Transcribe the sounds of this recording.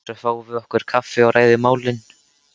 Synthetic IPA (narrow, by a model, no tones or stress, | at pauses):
ɾɛθaːwvɪðɔhkʏɾ̥kʰafːɪawɾʔaːjðɪmaːwlɪn